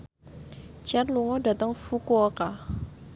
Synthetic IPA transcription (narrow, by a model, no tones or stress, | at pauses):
t͡ʃɛrluŋɔda̤t̪əŋfukuɔka